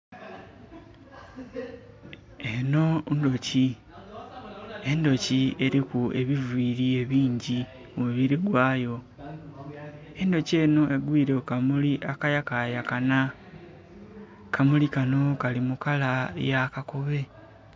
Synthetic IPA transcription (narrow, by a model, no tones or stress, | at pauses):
eno̞ndo̞ci | e̞ndo̞cie̞ɾikue̞βivwiːɾie̞βiːɲɟi | omuβiɾiɡwaːjo̞ | e̞ndo̞cie̞ːno̞e̞ɡwiːɾekamuliʔakajakajakana | kamulikano̞kalimukala̰jakako̞βe̞